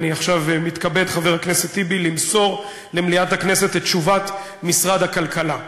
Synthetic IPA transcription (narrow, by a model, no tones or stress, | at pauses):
niaχʃavmit̪kabedχaveʁhakneset̪ːibilimso̞ʁ | lemliat̪haknese̞tet̪ʃuvat | misʁad̪hakalkala